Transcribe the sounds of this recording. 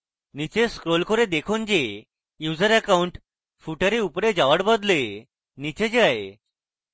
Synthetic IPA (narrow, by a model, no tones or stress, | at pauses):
nit͡ɕeskɾolkʰɔɾed̪ekʰund͡ʑe | juzəɾɛkauɳʈ | fuʈaɾeupɾed͡ʑaʋaʈbɔd̪le | nit͡ɕed͡ʑae